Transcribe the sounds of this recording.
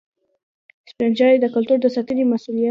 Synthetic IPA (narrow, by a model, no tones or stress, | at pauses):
spɾand͡ʒɑɾed̪əkʊlt̪uɾd̪əsat̪əɾimasulija